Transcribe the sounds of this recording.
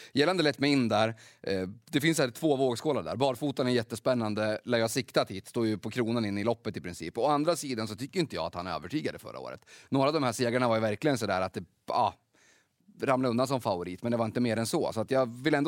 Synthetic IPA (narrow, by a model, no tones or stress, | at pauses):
jɛlːand̪əlɛt̪ːmɛɪnːd̪æːɾ | d̪ɛfɪnsæt̪ʰvoːvoːɡskʰoːlaɖæ̰ːɾbɑːɾfuːt̪anɛɾjɛt̪ːəspɛnːand̪əlæːjɑsɪkt̪at̪hiːt̪st̪oːjɵpʰɔkʰɾuːnanɪnːɪlɔpːət̪ɪpɾɪnsḭːpːɔand̪ɾasiːd̪ans̬ɔt̪ʏkːəjʏnt̪əjɑ̰ːat̪hanø̰ːvəʈʰyːɡad̪ə̰fœ̰ɾʔa̰o̰ːɾə̰t̪noːɾavd̪ɔmhæːʂeːɡaɳavaɾjvæɾklɪɡəns̬ɔd̪æ̰ːɾat̪̚d̪ɛ | ɑ̰ː | ɾamlaɵnansɔmfavʊɾiːt̪mɛnd̪ɛvaɾɪnt̪əmeːɾɛnsɔ̰sɔat̪jɑːvɪlːɛnd̪